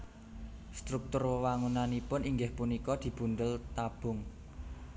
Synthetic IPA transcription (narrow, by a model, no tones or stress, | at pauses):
st̪ɾuk̚t̪ʊrwəwaŋunanipʊniŋɡɪhpunikɔd̪̥i̤b̥ṳnd̪əlt̪ab̥ʊ̤ŋ